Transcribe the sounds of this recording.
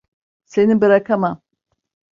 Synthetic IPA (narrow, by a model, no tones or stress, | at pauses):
se̞nibiɾakʰamam